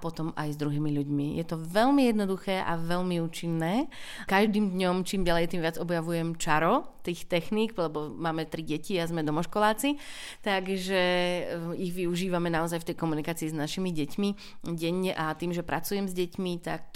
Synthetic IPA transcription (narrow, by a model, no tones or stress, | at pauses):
pɔt̪ɔma̰jzd̪ɾuɦiːmiʎuɟmijɛt̪ɔʋɛlmijɛd̪nɔd̪uxɛːʔa̰ʋɛʎmiuːt͡ʃinːɛːkaʒd̪iːmd̪ɲɔmt͡ʃiːmɟalɛjt̪iːmʋɪad͡zɔbjaʋujɛmt͡ʃaɾɔt̪iːxt̪ɛxniːɡlɛbɔmaːmɛt̪ɾiɟɛciazmɛd̪ɔmɔʃkɔlaːt͡si | t̪aɡʒɛ | iɣʋiuʒiːʋamɛnaɔzajft̪ɛjkɔmunikaːt͡siːznaʃimiɟɛcmi | ɟɛɲːɛʔat̪iːmʒɛpɾʔa̰t͡sujɛmzɟɛcmit̪a̰k̚